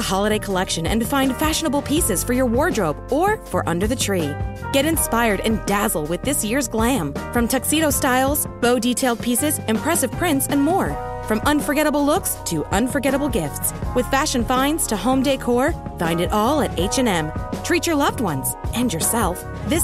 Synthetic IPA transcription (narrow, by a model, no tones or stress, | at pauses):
əhɑlˠəɾeɪkʰəlɛkʃɨ̃nɨ̰̃ntɨfãɪ̃n̥fæʃɨnəbl̩ˠpʰisɨz̥fə˞jə˞wɔɹdɹoʊbə˞fə˞ʔʌ̰̃ndə˞ðɨtʰɹ̥iɡ̥ɛɾɨ̃nspaɪə˞ɾɨ̰̃ndæzl̩ˠwɨðɪsjɪɹzɡlæ̃mfɹʌ̃mtʰɛksiɾoʊstaɪlˠz̥b̥oʊditʰeɪlˠd̚pʰisɨzɨ̃mpʰɹ̥ɛsɨv̥pʰɹ̥ɪ̃ntsɨ̃nmɔɹ | fɹʌ̃mʌ̃nfə˞ɡɛɾəbl̩ˠlʊkstʰɨʔʌ̃nfə˞ɡɛɾəbl̩ˠɡɪftswɨð̥fæʃɨ̃nfãɪ̃ndz̥tʰɨhõʊ̃mdeɪkʰɔɹfãɪ̃ndɨɾʔɔlˠɨɾeɪt͡ʃɨ̃nɛ̃mtʰɹ̥it͡ʃə˞lʌvd̚wʌ̰̃nz̥ʔɨ̃njə˞sɛlˠf | ðɪs